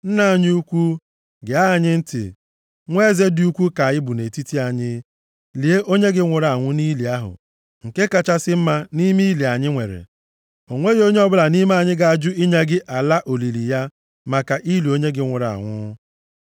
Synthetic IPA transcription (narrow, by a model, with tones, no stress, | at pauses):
n̩˦na˨ɲ˦u˦kʷu˦ | ɡɪ˨a˦˨ɲɪ˦n̩˦tɪ̰˨ | ŋʷe˦ze˦dɪ˦u˦kʷu˦ka˨ɪ˦bu˨ne˨ti˦ti˦a˨ɲɪ˦ | li˨e˦ʔo˦ɲe˦ɡɪ˦ŋʷʊ˨ɾa˨ŋʷʊ˦ni˦li˨a˦ɦʊ̰˨ | ŋ̩˨ke˦ka˨t͡ʃa˦sɪ˦m̩˦ma˦ni˦mi˦li˨a˨ɲɪ˦ŋʷe˨ɾḛ˨ | o˨ŋʷe˦jo˦ɲe˦ɔ˦bʊ˦la˨ni˦m˦a˨ɲɪ˦ɡa˨a˨d͡ʒʊ˦i˦ɲa˦ɡɪ˦ʔa˨la˦ʔo˨li˨li˨ja˦ | ma˨ka˨ʔi˦li˨o˦ɲe˦ɡɪ˦ŋʷʊ˨ɾa̰˨ŋʷʊ̰˦